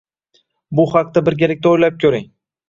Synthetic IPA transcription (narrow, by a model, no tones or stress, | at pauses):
bʊhɑq̚t̪abɪɾɡʲelɪk̚ʲt̪aojlap̚kʲʰɵɾɪŋ